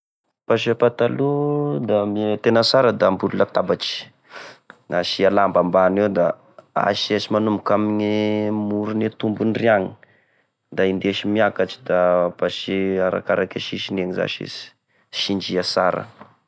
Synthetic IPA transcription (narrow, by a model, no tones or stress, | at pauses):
paʃ̬epat̪alud̪amit̪enəsaɾəd̪ambululat̪abat͡ʃi̥ | aʃialambambanewd̪a | a̰ʃiaʃimanumukamiɲimuɾunit̪umbuniriaŋi̥ | d̪aind̪eʃimiakat͡ʃi̥d̪apaʃiaɾa̰kaɾakaʃiʃineŋiza̰ʃḛsi̥ | ʃind͡ʒiasaɾə̰